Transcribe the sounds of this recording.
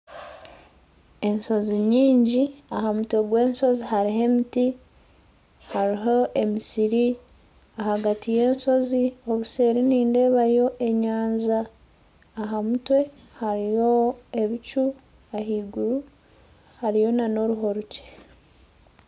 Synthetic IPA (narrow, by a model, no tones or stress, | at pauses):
e̞nso̞ziɲiːɲɟiaɦamutwe̞ɡwe̞ːnso̞zihaɾiɦe̞miti | haɾiɦoʔe̞misiɾi | ahaɡatije̞ːnso̞zio̞βuse̞ːɾiniːnde̞ːβajo̞ʔe̞ɲaːnzaː | ɦamutwe̞ | haɾijo̞eβit͡ʃu | aɦiːɡuɾu | haɾijo̞nano̞ɾuɦo̞ɾuce̥